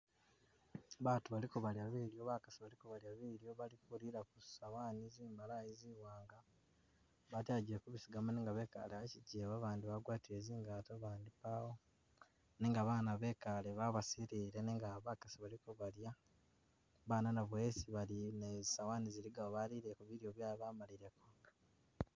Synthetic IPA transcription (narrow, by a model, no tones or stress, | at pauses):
βatuβalikuβaljaβiːljo̞βakḁsiβalikuβaljaβiɾjo̞βalikuliɾakusawaːniziːmbalajiziwaːŋɡa | βataɟiɾekuβisiɡamaneːŋɡaβeːka̰leβaciɟiβaβaːndiβaɡwaːtieziːŋɡatoβaːndipawo | neːŋɡaβaːnaβe̞kaleβaβasiɾiːɾe̞neŋɡaβakasiβalikoβalja | βaːnanaβwesiβalinezsawaniziliɡaoβaliɾekuβiɾjoβjaːliβamaliɾekoɡḁ